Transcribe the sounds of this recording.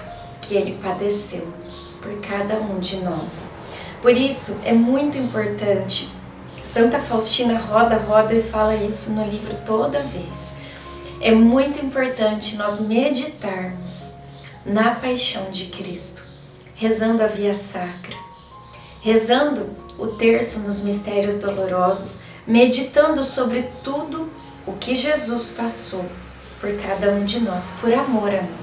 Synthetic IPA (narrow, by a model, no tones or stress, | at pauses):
kʰɪelɪpad̪esew | poɾkʰad̪ɐũd͡ʒɪnɔs | poɾisʊʔɛmũj̃t̪ʊĩmpoɾt̪ɐ̃nt͡ʃɪ̥ | sɐ̃nt̪ɐfawst͡ʃinɐɦɔbɐɦɔbɐfalɐisʊnʊlivɾʊt̪od̪ɐves | ɛmũj̃t̪ʊĩmpoɾt̪ɐ̃nt͡ʃɪnɔzmed͡ʒit̪aɾmʊs | nɐpajʃɐ̃w̃d͡ʒɪkɾist̪ʊ̥ | hezɐ̃nd̪ʊɐviɐsakɾɐ | hezɐ̃d̪ʊ | ʊt̪eɾsʊnʊzmist̪ɛɾjʊzd̪oloɾɔzʊs | med͡ʒit̪ɐ̃nd̪ʊsobɾɪt̪ud̪ʊ | ʊkɪʒezuspasow | poɾkad̪ɐũd͡ʒɪnɔspoɾamoɾɐmĩ